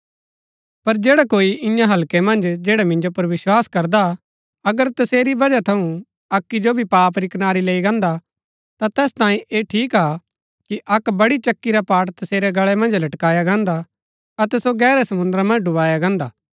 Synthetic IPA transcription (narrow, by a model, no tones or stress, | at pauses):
pɐɾd͡ʒeːɽakoːiʔɪ̃jãɦɐlkemɐ̃nd͡ʒd͡ʒeːɽamɪ̃nd͡ʒopɐɾʋɪswaːskɐɾd̪a | ɐɡəɾt̪ɐseːɾibɐd͡ʒat̪ʰɐũ | ɐkːid͡ʒobʱipaːpɾiknaːɾileːiɡɐ̃ːnd̪a | t̪at̪ɛːst̪ãːĩʔeːʈʰiːka | kiʔɐkbɐɽit͡ʃɐkːiɾapaːʈt̪ɐseːɾɛɡɐɭɛmɐ̃nd͡ʒlɐʈkaːjaɡãːnd̪a | ɐt̪ɛsoɡɛːɾɛsɐmʊ̃nd̪ɾamɐ̃nd͡ʒɖʊʋaːjaɡãːnd̪aː